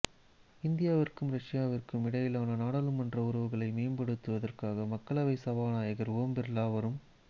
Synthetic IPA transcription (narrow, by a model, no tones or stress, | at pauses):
ɪnd̪ɪjaːʋɪrkɯmɾɐʂɪjaːʋɪrkɯmɪɽɐjɪlaːnɐnaːɽɐlɯmɐndrɐʊɾɐʋɯɣɐɭɐɪmeːmbɐɽɯt̪ːɯʋɐðɐrkaːɣɐmɐkːɐɭɐʋɐɪsɐʋaːnaːjɐɣɐɾoːmbɪɾlaːʋɐɾɯm